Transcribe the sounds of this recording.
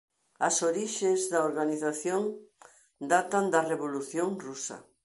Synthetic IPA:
ɐsoɾiʃezðɐoɾɣaniθaθjoŋ | d̪at̪ɐnd̪ɐreβoluθjoŋrusɐ̰

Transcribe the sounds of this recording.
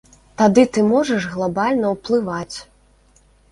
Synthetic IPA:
t̪ad̪ɨt̪ɨmɔʐɐʂɣlˠabalʲnɐwplˠɨvat͡sʲ

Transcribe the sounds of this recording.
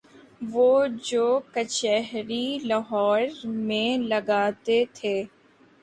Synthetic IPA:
ʋoːd͡ʒoːkət͡ʃɛɦɾilɐɦɔːɾmẽlɐɡaːt̪et̪ʰeː

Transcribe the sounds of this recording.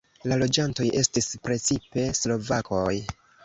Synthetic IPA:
lalo̞d͡ʒanto̞jʔe̞stispɾe̞t͡sipe̞slo̞vakoj

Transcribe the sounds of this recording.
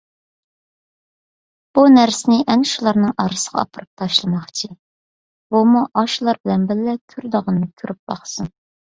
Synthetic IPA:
b̥unæɾsɪnɪʔɛnʃulˠɑɾnɨŋɑɾɨsəʁɑ̰ɑ̰pʰəɾɨp̚t̪ʰɑʃlˠɨmɑχt͡ʃʰi | b̥umuʔɑʃlˠɑɾbɪlɛnbɪlːɛkʲʰyɾd̪əʁənːɨkʲʰyɾʔyp̚bɑ̰χsɨn

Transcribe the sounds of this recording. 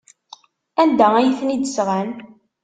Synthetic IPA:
ænd̪ææjθnid̪əsʁæn

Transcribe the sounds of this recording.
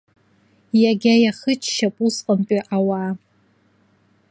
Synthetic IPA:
jaɡʲajaχɨt͡ʃʰʃapʼusqʼəmpʼiʔawa

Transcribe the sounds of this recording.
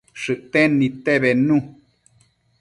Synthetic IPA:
ʂɨʔt̪ẽnĩt̪eβenũ

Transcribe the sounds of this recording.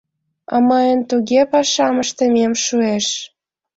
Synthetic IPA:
ɑ̰mɑjənt̪uɣepɑʃɑməʃt̪əmemʃueʃ

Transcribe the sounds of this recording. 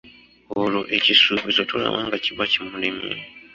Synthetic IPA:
oloʔecisuːβisotula̰βaːŋɡaciβacimulimjḛ

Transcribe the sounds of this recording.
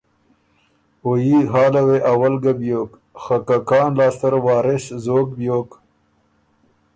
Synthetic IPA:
ojiɦɑːlaweʔawalɡabjoːk | xakakɑːnlɑːst̪aɾwɑːɾɪɕzoːk̚bjoːk

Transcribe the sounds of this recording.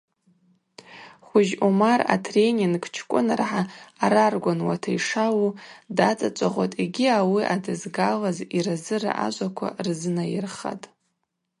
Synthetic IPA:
χʷʊʒumara̰tʰre̞nʲiŋɡt͡ʃʰkʷʼʊnarħaːɾarɡʷanwa̰tʰaiʂawudat͡sʼat͡ʃʷʼaʁʷotʼiɡʲiawiʔadɨzɡalaziɾazɨra̰ʔa̰ʒʷʼakʷʰa̰rzɨnajɪrχa̰tʼ

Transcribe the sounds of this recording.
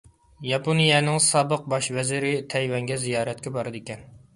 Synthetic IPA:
jɑponijɛnɪŋsɑːbəq̚bɑʃvɛzɪɾɪt̪ʰɛjwɛŋɡʲɛzijɑːɾɛt̪̚kʲɛbɑɾɨd̪ekʲɛn

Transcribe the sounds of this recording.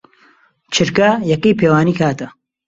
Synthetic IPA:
t͡ʃʰɨɾkɐjɐkiːpʰeːwaːniːkʰaːt̪ɐ

